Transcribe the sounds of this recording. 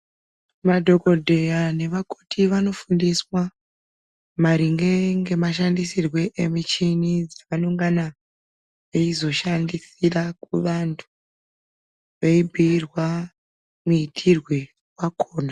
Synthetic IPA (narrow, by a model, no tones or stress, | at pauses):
madʱo̞ko̞dʱe̞jane̞ʋakotʰiʋano̞fundiswa | maɾiŋɡe̞ŋɡe̞maʃ̬andisirwe̞ʔemit͡ʃinid͡zaʋanoŋɡana | ʋeizo̞ʃandisirakuʋantʰu̥ | ʋeibʱiːrwa | muitʰirwe̞ | wakʰoːna